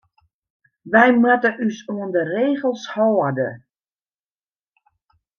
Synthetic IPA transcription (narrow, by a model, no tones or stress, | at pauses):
ʋɛjmatəʔysoəndəreːɣəlˠshɔːdə̰